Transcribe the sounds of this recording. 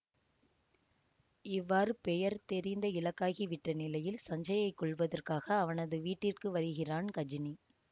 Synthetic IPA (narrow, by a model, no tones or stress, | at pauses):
ɪʋːaːɾɯpɛjɐɾt̪ɛɾɪnd̪ɐɪlɐkːaːɣiʋɪʈːɐnɪlɐjɪlsɐɲd͡ʒɐjɐɪkːɔɭʋɐðɐrkaːɣɐːʋɐnɐðɯʋiːʈːɪrkɯʋɐɾɯɣɪraːnkɐd͡ʒɪni